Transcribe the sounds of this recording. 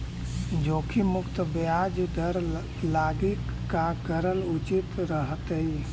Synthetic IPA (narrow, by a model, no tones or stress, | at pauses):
d͡ʒokʰimʊkt̪bjad͡ʒd̪ʱəɾ | laɡikːaɡəɾəlut͡ʃit̪ɾəɦət̪əi